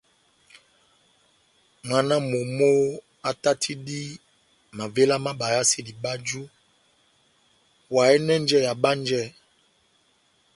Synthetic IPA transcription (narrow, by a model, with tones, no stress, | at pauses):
ŋa˨na˦mo˨mo˦ | a˦ta˦tʰi˦di˦ | ma˨ve˦la˦ma˦ɓa˨ja˦si˦di˨ba˦d͡ʒu˦ | wa˨ɛ˦nɛ˦n˦d͡ʒɛ˦ja˨ɓa˦n˦d͡ʒɛ˦˨